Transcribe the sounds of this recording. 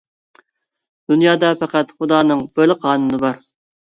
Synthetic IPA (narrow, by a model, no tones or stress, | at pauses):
d̪̥unjɑːd̪ɑpʰɛqæt̪χʊd̪ɑːnɨŋb̥ølɪqʰɑːnunɨbɑɾ